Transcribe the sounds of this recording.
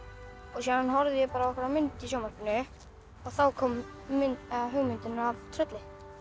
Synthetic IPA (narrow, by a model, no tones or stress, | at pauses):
ɔɣsɛðanɦɔɾðɪjɛpaːɾaɔkvɛɾamʏnt̪isjoːwmarkɪnːʏ | ɔɣθawkʰɔːm | ʏnɦœɣmʏnt̪ɪnavt̪ʰɾœt̪lɪ